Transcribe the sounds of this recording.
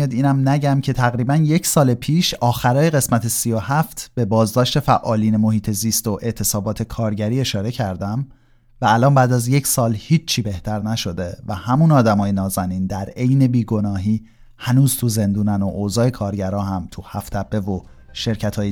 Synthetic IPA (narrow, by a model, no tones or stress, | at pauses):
ɑd̪iːnæmnæɟæmcʰe̞t̪ʰæɣɾiːbænje̞cʰsɒːlepʰiːʃɒːxæɾɒːje̞ɣe̞smæt̪ʰe̞sijo̞hæft̪ʰb̥e̞bɒːzd̪ɒːʃt̪e̞fæʔɒːliːne̞mo̞hiːt̪ʰe̞ziːst̪o̞ʔe̞ʔt̪ʰe̞sɒːbɒːt̪ʰe̞kʰɒːɾɟæɾiːe̞ʃɒːɾe̞cʰæɾd̪æm | væːlʔɒːnbæːd̪æzje̞csɒːlhiːt͡ʃt͡ʃʰːiːbe̞ht̪ʰæɾnæʃo̞d̪e̞væhæmunɒːd̪æmɒːje̞nɒːzæniːnd̪æɾe̞jne̞biːɡo̞nɒːɦiː | hænuːzt̪ʰuze̞nd̪uːnænoʔozɒːe̞kʰɒːɾɟæɾɒːɦæmt̪ʰuhæft̪ʰæbːe̞vo̞ | ʃe̞ɾcʰæt̪ʰɒːje